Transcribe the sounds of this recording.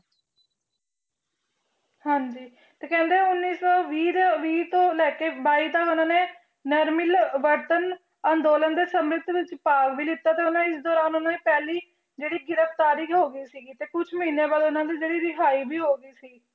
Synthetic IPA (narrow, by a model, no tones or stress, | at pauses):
hãːɲd͡ʒiː | t̪eːkɛ̃ːnd̪eːʊnːiːsɔːʋiːd̪ʋiːt̪õːlɛːkeːbaːiːt̪aːʊnãːneː | nɛɾmɪlʋəɾʈ̪ən | ãnd̪oːlənd̪eːsəmɾɪt̪d̪ɪt͡ʃpaːkʋiːlɪt̪ːaːt̪eːʊnãːɪsd̪ɔːɾaːnonãːneːpɛːliː | d͡ʒeːɽiːɡɪɾəft̪aːɾiːkɦoːɡəiːsiːɡiːt̪eːkʊt͡ʃʰməɦiːneːbaːlʊnãːd̪iːd͡ʒeːɽiːɾɪɦʰaːiːbiːɦoːɡəiːsiː